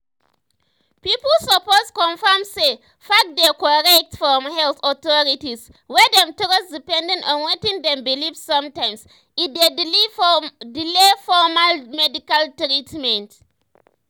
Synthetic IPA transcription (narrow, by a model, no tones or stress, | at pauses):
piplsəposkɔ̃nfɛmse | fak̚dɛkɔɹɛk̚tfɹɔmhɛlθɔt̪ɔɹitis | wɛdɛ̃mtɾɔsdipɛ̃ndɛ̃ntɔ̃nwɛtĩŋdɛ̃mbilifsːãmtãjms | ide | dilefɔmalmɛdikaltɹitmɛ̃nt